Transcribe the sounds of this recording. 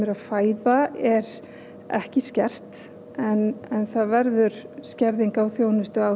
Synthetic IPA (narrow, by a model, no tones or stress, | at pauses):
ɛɾafaːjðaɛɾ | ɛ̰hcɪscɛr̥t̪ | ɛnɛnθaðvɛɾðʏɾ̥scɛɾðiŋkawθjoːwnʏst̪ʏa